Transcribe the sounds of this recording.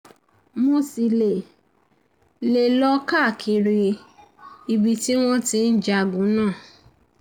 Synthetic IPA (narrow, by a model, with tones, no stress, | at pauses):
mo˧si˨le˨ | le˧˨lɔ˦ka˦˨kʰi˨˧ɾi˧ | i˧bi˧ti˦w̃ɔ̃˦tĩ˧n̩˦d͡ʒa˧˨ɡũ˨˦nãː˦˨